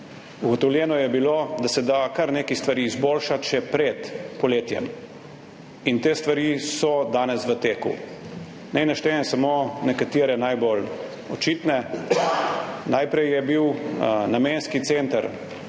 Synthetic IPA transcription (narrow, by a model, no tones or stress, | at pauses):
uɡɔt̪ɔwljɛːnɔjɛbiloːd̪asɛd̪akaɾneːkist̪ʋaɾiːzboːlʃat̪ʃɛpɾɛt̪pɔleːt̪jɛ̰m | int̪eːst̪ʋaɾisɔd̪aːnɛsʋət̪eːkṵ | nɛjnaʃt̪ɛnɛsamonɛkat̪iːɾɛnajbol | ɔt͡ʃit̪nɛ | najpɾɛjjɛbiwnameːnskit̪sent̪əɾ